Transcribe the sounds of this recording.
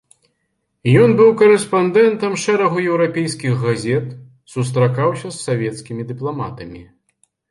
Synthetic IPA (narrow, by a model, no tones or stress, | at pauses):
jɔnbɨwkɐɾɛspand̪ɛnt̪ɐmʂɛɾɐɣujɛwɾapʲɛjskʲiɣːazʲɛt̪ | sus̬t̪ɾakawsʲɐsːavʲɛt̪skʲimʲid̪ɨplˠama̰t̪ɐmʲi